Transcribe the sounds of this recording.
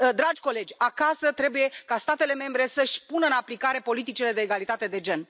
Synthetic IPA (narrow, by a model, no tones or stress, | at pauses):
d̪ɾad͡ʒʲko̞le̞d͡ʒʲakasət̪ɾe̞buje̞kast̪at̪e̞le̞me̞mbɾe̞səʃʲpunəɨnaplikaɾe̞po̞lit̪it͡ʃile̞d̪e̞ːɡalit̪at̪e̞d̪e̞d͡ʒe̞n